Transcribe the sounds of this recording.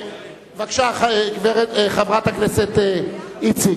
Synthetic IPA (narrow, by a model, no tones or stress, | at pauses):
vakʃaχɡveʁeχavʁat̪hakneset̪ːit͡si